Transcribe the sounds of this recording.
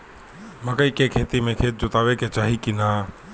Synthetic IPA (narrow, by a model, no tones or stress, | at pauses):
məkəikekʰeːt̪imẽkʰeːt̪̚d͡ʒʊt̪aːʋeket͡ʃaːɦikinaː